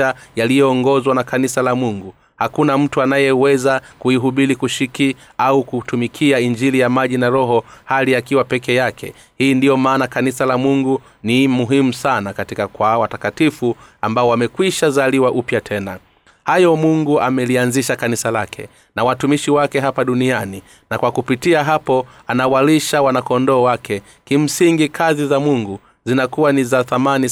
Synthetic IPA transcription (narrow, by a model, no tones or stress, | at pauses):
ajalijɔːŋɡɔzwanakanisalamuŋɡu | hakunam̩tuanajɛwɛzakuiɦuɓilikuʃiki | aukutumikʰiaiɲd͡ʒilijamaʄinaɾɔɦɔhaliakiwapɛkɛjakʰɛ̰ | hiːndijɔmaːnakanisalamuŋɡu | nimuɦimusanakatikakwawatakatifuambaɔwamɛkwiʃazaliwaʔupjatʰɛna | hajɔmuŋɡuamɛlianziʃakanisalakʰɛ̰ | nawatumiʃiwakɛɦapaɗuniani | nakwakupitiaɦapɔanawaliʃawanakɔndɔːwakʰɛ | kim̩siŋɡikʰazizamuŋɡu | zinakuwanizaθamani